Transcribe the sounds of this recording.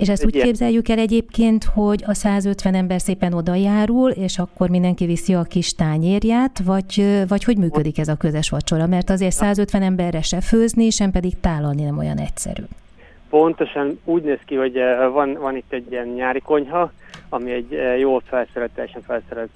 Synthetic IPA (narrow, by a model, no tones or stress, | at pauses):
eːʃɛstuːkeːbzɛjːykɛlɛɟeːpkeːnt̪ho̞ɟɒsaːzøt̪ʋɛnɛmbɛrseːpɛno̞d̪ɒjaːɾuleːʃɒkːo̞rmind̪ɛŋkivisiɒkiʃt̪aːɲeːrjaːt̪vɒɟvɒcho̞ɟmyːkø̞d̪ikɛzɒkøzɛʃʋɒt͡ʃo̞ɾɒmɛrt̪ɒzeːrt̪saːzø̞t̪ʋɛnɛmbɛrːɛʃɛføːzniʃɛmpɛd̪iɡt̪aːlːɒlninɛmo̞jɒ̰nɛ̰csɛ̰ɾy̰ː | po̞nt̪o̞ʃɒnuːɟneːskiho̞ɟvɒnvɒnit̪ːɛɟːiɛnɲaːɾiko̞ɲɦɒɒmiɛɟjoːlfɛlsɛɾɛlt̪ːɛjɛʃɛɱfɛlsɛɾɛlt̪